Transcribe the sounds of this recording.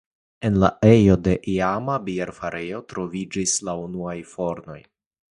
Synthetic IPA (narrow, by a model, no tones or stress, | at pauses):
e̞nla̰ʔe̞jo̞de̞ʔiamabieɾfaɾejo̞tɾo̞vid͡ʒislaunuajfo̞ɾno̞j